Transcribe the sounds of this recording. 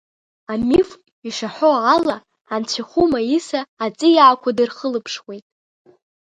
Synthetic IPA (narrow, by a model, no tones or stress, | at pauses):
amif | iʂaħʷoalaː | nt͡sʷʰiχʷumaisaːt͡sʼɨjaːkʷʰadɨrχəlɨpʰʂwejtʼ